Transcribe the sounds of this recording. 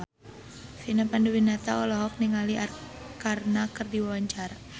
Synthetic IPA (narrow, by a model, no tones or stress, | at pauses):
sinapandubinat̪aɔlɔɦɔk̚niŋaliʔarkarnakərdiwawaɲt͡ʃaɾa